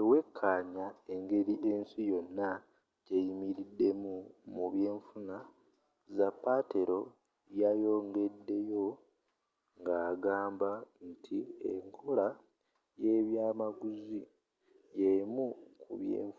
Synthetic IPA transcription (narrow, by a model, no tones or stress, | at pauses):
ewe̞kʰːaːɲae̞ŋɡe̞ɾiʔe̞nsijo̞nːa | ɟejimiɾidːe̞mumuβje̞ːɱfuna | zapːate̞ɾo̞ | jajo̞ːŋɡe̞dːe̞jo̞ | ŋɡaːɡaːmbantʰieŋkʰo̞la | je̞βjaːmaɡuzi | jeimukʰṵβjḛːɱf